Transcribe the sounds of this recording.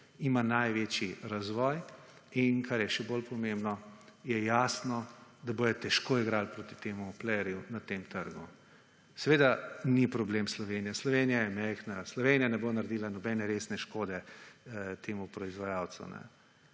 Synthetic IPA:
imanajʋet͡ʃiɾazʋɔj | inkʰaɾjɛʃɛbolpɔmembnɔjɛjaːsnɔd̪abojɛt̪ɛʃkoiɡɾalpɾot̪i̥t̪eːmuplɛjɾjunat̪emt̪əɾɡu | sɛʋeːd̪anipɾɔbleːmslɔʋeːnijaslɔʋenijajɛmɛjxnaslɔʋeːnijanɛbonaɾd̪iːlanɔbɛnɛɾesnɛʃkoːd̪ɛ | t̪eːmupɾɔizʋajaw̪sṵnɛ̰

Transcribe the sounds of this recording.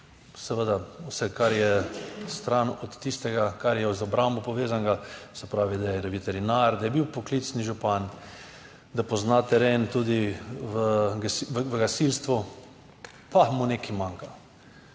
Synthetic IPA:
sɛʋəd̪awsɛkaɾjɛst̪ɾanɔt̪ːist̪ɛɡakaɾjɛzɔbɾambɔpɔʋeːzaŋɡasɛpɾaːʋid̪ajɛɾɛʋit̪ɛɾinaɾd̪ajɛbiwpoklit̪sniʒupan | d̪apɔznat̪ɛɾeːnt̪ud̪iʋəɡsiʋəɡasilst̪ʋu | pamuneːkimãŋka

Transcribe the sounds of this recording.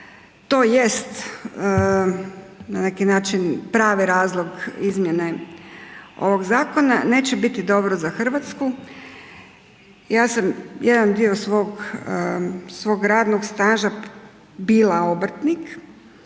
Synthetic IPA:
t̪o̞ːje̞st̪ | nane̞kinaːt͡ʃinpɾaːʋiɾaːzlˠo̞ɡizmjene | o̞ʋo̞ɡzaːkonane̞ːt͡ɕebit̪id̪o̞bɾozaxr̩ʋat̪sku | jaːsamjed̪and̪io̞sʋo̞ɡ | sʋo̞ːɡɾaːd̪noɡst̪aːʒa | biːlˠaobɾ̩r̩t̪nik

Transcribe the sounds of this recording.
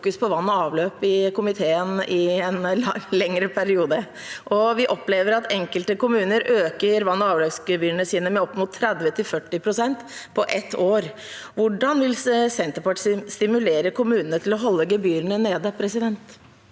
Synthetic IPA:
kʉspʰɔʋɑnːɔɑːʋløːpɪkʊmɪt̪ʰeːənɪɛnlɛŋɾəpʰæɾɪuːd̪ə | ʔɔʋɪʔɔpleːʋəɾɑt̪ɛŋkəlt̪əkʊmʉːnəɾʔøːkəɾʋɑnːɔɑːʋløːsɡəbyːɾəɳəsiːnəmɛɔpːmʊt̪ʰːɾɛd̪ʋət̪ʰɪlfœʈːɪpʰɾʊsɛnt̪pʰɔʔɛt̪ʰːoːɾ | ʋʊɖɑnʋɪlsɛnt̪əɾpɑʈsst̪ɪmʉleːɾəkʰʊmʉːnənət̪ʰɪlɔɦɔlːəɡəbyːɾənəneːd̪əpʰɾɛsɪd̪ɛnt̪

